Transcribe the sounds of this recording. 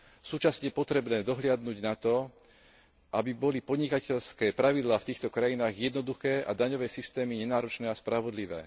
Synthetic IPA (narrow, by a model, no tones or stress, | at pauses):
suːt͡ʃasɲɛɛpɔt̪ɾɛbnɛːd̪ɔɦlɪad̪nuɟnat̪ɔ | ʔabibɔlipɔd̪ɲikacɛʎskɛːpɾaʋid̪laːft̪iːxt̪ɔkɾajinaːɣjɛd̪nɔd̪uxɛːʔa̰d̪aɲɔʋɛːsist̪ɛːmiɲɛnaːɾɔt͡ʃnɛːaspɾaʋɔd̪liʋɛ̰ː